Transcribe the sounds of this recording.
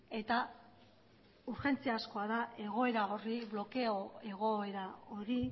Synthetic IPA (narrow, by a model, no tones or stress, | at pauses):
e̞t̪a | uɾxe̞nt͡seasko̞aðaʔe̞ɣ̞o̞e̞ɾaoriβlo̞ke̞oe̞ɣ̞o̞e̞ɾao̞ɾi